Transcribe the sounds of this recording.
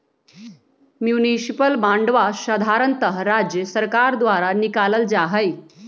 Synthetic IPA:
mjunisipəlbãɳɖʋaɕəd̪ʱaɾənt̪əɦɾad͡ʑjəsəɾkaɾd̪ʋaɾanikaləld͡zaɦəj

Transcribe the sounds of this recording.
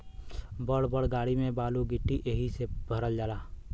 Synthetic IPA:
bəɽbəɽɡaːɽimẽbaːluɡɪʈːiʔeɦisebʱəɾəld͡ʒaːlaː

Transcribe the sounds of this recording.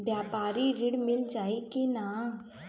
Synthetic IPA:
bjaːpaːɾiɾɪɽmɪld͡ʒaːekenaː

